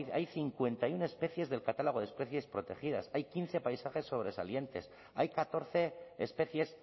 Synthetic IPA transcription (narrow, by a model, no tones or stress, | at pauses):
ajθiŋkwe̞nt̪ajune̞spe̞θje̞zðe̞lkat̪alo̞ɣ̞o̞ðe̞spɾe̞θje̞spɾo̞t̪e̞χið̞asajkinθe̞pajsaχe̞sːo̞β̞ɾe̞sa̰lje̞nt̪e̞̰s | ajkat̪o̞ɾθe̞espe̞θje̞s